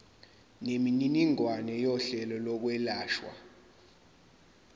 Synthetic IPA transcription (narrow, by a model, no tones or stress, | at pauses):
nemininiŋwanɛjɔɬɛlɔlɔk̬wɛlaːʃwa̰